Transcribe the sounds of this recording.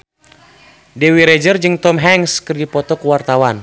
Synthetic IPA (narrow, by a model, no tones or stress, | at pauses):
dɛwiɾɛd͡ʒərd͡ʒɨŋt̪ɔmɦɛŋskɨrdipɔt̪ɔkuwart̪awan